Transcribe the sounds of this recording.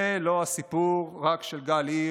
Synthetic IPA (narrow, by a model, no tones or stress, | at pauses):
eloasipuʁʁakʃelɡali